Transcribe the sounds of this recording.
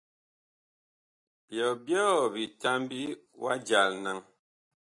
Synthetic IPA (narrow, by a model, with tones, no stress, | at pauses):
b̥jɔ˨bjɔ˦bi˨ta˦mbi˦wa̰˦d͡ʒa˨lna˦ŋ